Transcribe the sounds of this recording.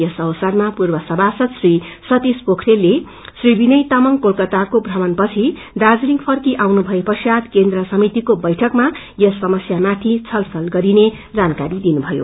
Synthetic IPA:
jʌsʌwsarmapurbʌsʌbʱasʌt̪srisʌt̪ispokʰrelːe | sribinʌjt̪amʌŋkolkʌt̪akobʱrʱʌmʌnpʌt͡sʰi | d̪ad͡zliŋpʰʌrkiʔawnubʱʌepʌsjad̪kend̪rʌsʌmit̪ikobʌjʈʰʌkma | jʌsːʌmʌsjamat̪ʰit͡sʰʌlsʌlɡʌɾine | d͡zankaɾid̪inubʱʌjo̰

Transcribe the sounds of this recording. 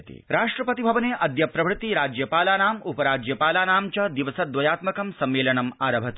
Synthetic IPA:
t̪ḭɾaːʂʈɾɐpɐt̪ibʱɐʋɐneːʔɐd̪jɐpɾɐʋɾut̪iɾaːd͡ʒjɐpaːlaːnaːmupɐɾaːd͡ʒjɐpaːlaːnaːmt͡ʃɐd̪iʋɐsɐd̪ʋɐjaːt̪mɐkɐmsɐmːeːlɐnɐmaːɾɐbʱɐt̪i

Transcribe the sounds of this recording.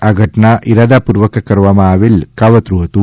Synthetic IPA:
ɐɡʱɐʈɐɳɐʔiɾɐd̪ɐpuɾʋɐkɐkɐɾʋɐmaːʋilkɐʋɐt̪ɾuɦɐt̪u

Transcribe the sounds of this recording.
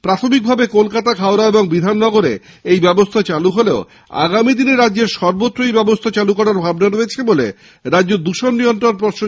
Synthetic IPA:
pɾat̪ʰomik̚bʱabekolkat̪akʰaoɾaeboŋbid̪ʱanːɔɡoɾḛ | ejbɛbost̪ʰat͡ɕaluɦoleo | a̰ɡamid̪ineɾadːʑeɾʃɔɾbot̪ːɾojbɛbost̪ʰat͡ɕalukɔɾaɾbʱabnaɾoet͡ɕʰebolḛ | ɾad͡ʑod̪uʃonːijont̪ɾonp̬ɾɔɾʃo

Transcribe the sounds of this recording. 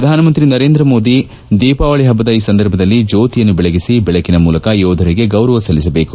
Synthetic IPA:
ɾɐd̪ʱaːnɐmɐnt̪ɾinɐɾe̞ːnd̪ɾɐmo̞ːd̪i | d̪iːpaːʋɐɭiɦɐbːɐd̪ɐiːsɐnd̪ɐɾbʱɐd̪ɐlːid͡ʒoːt̪ijɐnːubɛɭeɡisibɛɭekinɐmuːlɐkɐjɔːd̪ʱɐɾiɡe̞ɡɐwɾɐʋɐsɐlːisɐbe̞ːku

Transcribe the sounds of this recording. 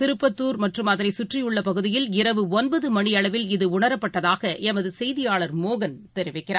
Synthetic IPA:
t̪ɪɾɯpːɐt̪ːuːɾmɐʈrɯmɐðɪɾɐɪsʊʈrɪjɯɭːɐpɐɣɯðɪjɪlɪɾɐʋɯɔnbɐðɯmɐɳɪɐɭɐʋɪlɪðɯʊɳɐɾɐpːɐʈːɐðaːɣɐʔɛmɐðɯsɛjðɪjaːɭɐɾmoːɣɐnt̪ɛɾɪʋɪkːɪra̰ː

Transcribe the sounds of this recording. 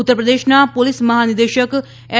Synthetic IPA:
ʊt̪ːəɾpɾəd̪eːʃnaːpolɪsməɦaːnɪd̪eːʃək | ɛ

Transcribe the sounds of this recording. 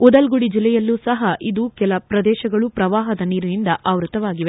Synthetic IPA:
ɔd̪ɐlɡuɽid͡ʒilːɛjɐlːuːsɐɦɐʔid̪ukɛlɐpɾɐd̪ɛːʃɐɡɐɭupɾɐʋaːɦɐd̪ɐniːɾunind̪ɐʔaːʋɾut̪ɐʋaːɡiʋe

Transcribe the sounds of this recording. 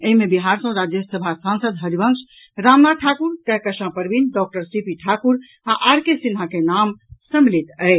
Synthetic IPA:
eɦimebiɦaɾsə̃ɾad͡ʒjəsəbʱasansəd̪ɦəɾibəŋs | ɾamnaʈʰakuɾt̪əɦkəʃãpəɾbinɖɔk̚ʈəɾsipiʈʰakuɾ | aʔaɾkesinɦakenamsəmlit̪əɪ

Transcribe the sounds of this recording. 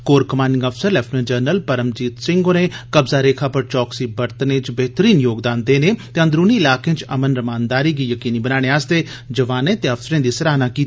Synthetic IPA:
koːɾkəmaːnɖɪ̃ŋɡəpʰsəɾlɛːpʰʈməd͡ʒəːɾnəlpəɾəmd͡ʒiːt̪sɪ̃ŋɡoːneːkəbzaːɾeːkʰaːpəɾt͡ʃɔːksiːbəɾt̪ənẽːt͡ʃbɛɦt̪əɾiːnjoːɡd̪aːnd̪eːneːt̪eːə̃nd̪ɾuːniːɪlaːkẽːt͡ʃəmənɾəmaːnd̪aːɾiːɡiːjəkiːniːbənaːɽeːaːst̪eː | d͡ʒəʋaːnẽːt̪eːəpsəɾẽːd̪iːsəɾaːnaːkiː

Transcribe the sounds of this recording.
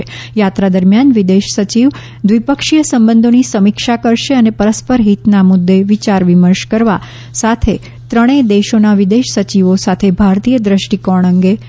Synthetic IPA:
ejat̪ɾad̪əɾmjanʋid̪eʃsət͡ʃiʋ | d̪ʋipəkʃijəsəmbə̃nd̪ʱonisəmikʃakəɾʃeənepəɾəspəɾɦit̪namʊd̪ːeʋit͡ʃaɾʋiməɾʃkəɾʋa | sat̪ʰe | t̪ɾəɽ̃ed̪eʃonaʋid̪eʃsət͡ʃiʋosat̪ʰebʱaɾt̪ijəd̪ɾəʃʈikɔɳ̃əŋɡe

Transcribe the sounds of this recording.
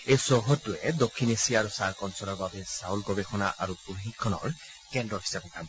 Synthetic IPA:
ejsɔɦɔtːuɛdokʰːinesiaɹusaɹkɔnsɔlɔɹbabɛsaulkɔbexʰɔnaʔaɹupuɦikʰːɔnɔ̰ɹ | kɛndɔfʰi̥sapɔkʰam

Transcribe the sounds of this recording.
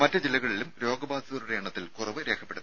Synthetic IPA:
mɐtːɐd͡ʑilːɐɣɐɭilumɾo̞ːɡɐbaːsɐðɐɾuɾeːɳɐt̪ːilkurɐʋɨɾe̞ːkʰɐpːe̞ɽun

